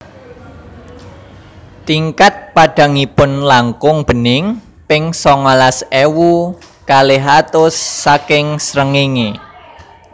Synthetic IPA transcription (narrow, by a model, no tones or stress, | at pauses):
t̪iŋkat̪̚paɖ̥ä̤ŋipʊnlaŋkʊŋb̥ə̤nɪŋ | pɪŋsɔŋalasewu | kaleɦat̪ʊsːakɪŋsɾəŋeŋe